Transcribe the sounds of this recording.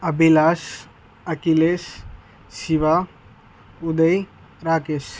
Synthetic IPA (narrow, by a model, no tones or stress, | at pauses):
ɐbilaːs | ɐkiles | siʋa | ud̪əj | ɾaːkes